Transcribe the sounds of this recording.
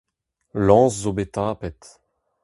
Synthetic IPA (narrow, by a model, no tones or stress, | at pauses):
lɑ̃ːszobet̪ãːpɛt̪